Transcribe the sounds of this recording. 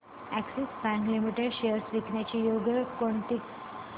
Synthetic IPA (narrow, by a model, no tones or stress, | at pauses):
æksesbæ̃ŋklimiʈeɖʃeəɾsʋiknjat͡ɕijoɡəkoɳt̪ik